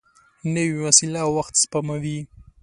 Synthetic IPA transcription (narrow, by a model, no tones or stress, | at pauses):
nəwiwasilawaxt̪spamawi